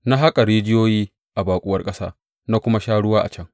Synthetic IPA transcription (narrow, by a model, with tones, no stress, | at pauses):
na˦ɦa˦kʼa˨ɽeː˦d͡ʒɪ˦joː˦jiː˦ | ʔa˨baː˨kʷʼʊ˦wɐ˦rkʼɐ˦sa̰ː˦ | na˦kʷʊ˦ma˦ʃaː˦ɽʊ˦waː˦ʔa̰˨t͡ʃɐ˦ŋ